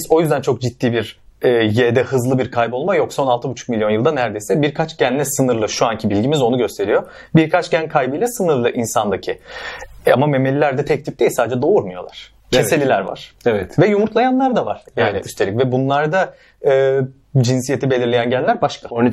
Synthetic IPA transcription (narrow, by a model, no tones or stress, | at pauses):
zo̞jyzd̪ænt͡ʃʰo̞k̚d͡ʒit̪ːiːbiɾɛːjed̪ɛhɯzlˠɯbiɾkʰajbo̞lˠmajo̞kso̞nalˠt̪ɯbut͡ʃʰu̥k̚milʲjo̞njɯlˠd̪anæɾd̪e̞jsɛbiɾkʰat͡ʃɟænlʲɛsɯnɯɾlˠɯʃuancʰibilʲɟimizo̞nuɟø̞st̪ʰe̞ɾijo̞ | biɾkʰat͡ʃɟænkʰajbɯjlʲɛsɯnɯɾlˠɯʔinsand̪acʰi | a̰mame̞melʲilʲæɾd̪ɛt̪ʰɛc̚t̪ip̚d̪eilʲsaːd̪ed͡ʒɛd̪o̞uɾmujo̞lˠa̰ɾ̥ | mese̞lʲilʲæɾva̰ɾ̥ɛvɛt̪vɛjumuɾt̪ʰlˠajanlˠaɾd̪ava̰ɾ̥jaːniyst̪ʰeicvɛbunlˠaɾd̪a | ɯː | d͡ʒinsije̞t̪ʰibe̞lʲiɾlʲejænɟænlʲæɾbaʃkaon